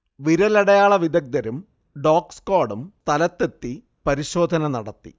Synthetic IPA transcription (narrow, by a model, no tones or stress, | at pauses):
ʋiɾɐlɐɽɐjaːɭɐʋid̪ɐk̚d̪ɐɾum | ɖoːkskoːɽumt̪ɐlɐt̪ːe̞t̪ːi | pɐɾiɕo̞ːd̪ʱɐnɐnɐɽɐt̪ːḭ